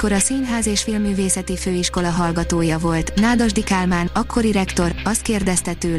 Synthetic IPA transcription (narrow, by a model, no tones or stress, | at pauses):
ko̞ɾɒsinɦaːzeːʃfilmːyːveːsɛt̪iføːiʃko̞lɒɦɒlɡɒt̪oːjɒvo̞lt̪naːd̪ɒʒd̪ikaːlmaːnɒkʰːo̞ɾiɾɛkt̪o̞ɾɒst̪̚keːrd̪ɛst̪ɛt̪øː